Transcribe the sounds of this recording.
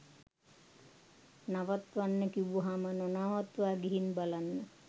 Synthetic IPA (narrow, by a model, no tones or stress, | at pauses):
naʋat̪ʋanːəkibuɦamənonaːʋat̪ʋaːɡiɦinbalanːə